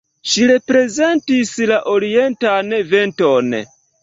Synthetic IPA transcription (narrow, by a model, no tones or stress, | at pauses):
ʃiɾepɾe̞ze̞ntislaʔoɾie̞ntaneve̞nto̞n